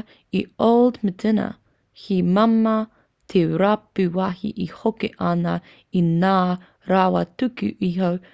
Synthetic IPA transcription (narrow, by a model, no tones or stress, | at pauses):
ioldmədɪnɐ̰ | himamɐ | t̪ʰeɾapʉwahḭʔihokḛʔɐnɐ | inaː | ɾawɐtʉkḭʔiɦow